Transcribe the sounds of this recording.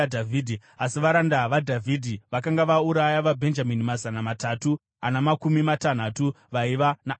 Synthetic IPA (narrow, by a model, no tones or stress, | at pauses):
dʱavidʱiasiʋaɾandaʋadʱavʱidʱiʋakaŋɡaʋauɾajaʋabʱe̞nd͡ʒaminimazanamatatu | anamakumimatan̤atu | ʋaiʋana